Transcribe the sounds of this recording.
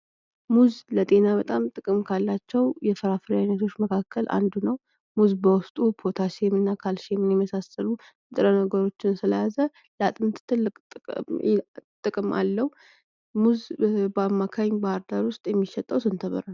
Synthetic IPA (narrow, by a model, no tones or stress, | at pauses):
muzlət̪ʼe̞naβət̪ʼamt̪ʼɨkʼɨmkʰalːat͡ʃːɛwjɛfɨɾafɨɾjanət̪ʰo̞t͡ʃːməkʰakʰːəlʔa̰nd̪unəw | muzbəwʊst̪ʼupʰo̞t̪ʰasejɛmːɨnːakʰalʃejɛmːɨniməsasəlu | ɨt̪ʼɾənəɡəɾo̞t͡ʃːɪnsɨləjazə | lat̪ʼɨmt̪t̪ʰɨlːɨkʼt̪ʼɨ | t̪ʼɨkʼɨma̰lːəhu | muzbəamːakʰaɲːbaɾd̪aɾwʊst̪ʼjɛmːiʃɛt̪ʼəwsɨnt̪ʰəβə̰ɾən